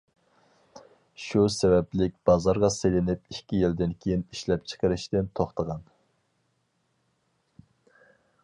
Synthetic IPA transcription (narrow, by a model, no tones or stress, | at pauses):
ʃusɛvɛplɪk̚ʲb̥ɑzɑɾʁɑselɪnɪp̚ikʲijɪld̪ɪnkʲʰejiniʃlɛp̚t͡ʃʰə̥qəɾɪʃt̪ɪnt̪ʰoχt̪əʁɑn